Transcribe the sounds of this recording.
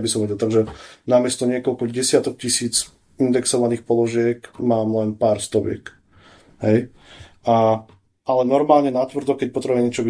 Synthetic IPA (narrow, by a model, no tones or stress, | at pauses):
bisɔmʋɛɟɛlt̪aɡʒɛnamɪɛst̪ɔɲɪɛkɔlkɔɟɛsɪat̪ɔk̚cisiːd͡z | ind̪ɛksɔʋaniːxpɔlɔʒɪɛkmaːmlɛnpaːɾst̪ɔʋɪɛ̰k | ɦɛj | a | alɛnɔɾmaːlɲɛnat̪ʋɾd̪ɔkɛc̚pɔt̪ɾɛbumɛɲɪɛt͡ʃɔʋ